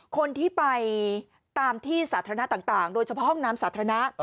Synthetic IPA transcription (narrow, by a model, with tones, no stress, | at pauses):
kʰo˧nt̪ʰiː˥˩pa˧j | t̪aː˧mt̪ʰiː˥˩saː˩˦t̪ʰa˧ɾna˦˥t̪aː˨˩ŋt̪aː˨˩ŋdoː˧jt͡ɕʰa˧pʰɔ˦˥ɦɔ˥˩ŋnaː˦˥msaː˨˩˦t̪ʰa˧na˦˥ʔ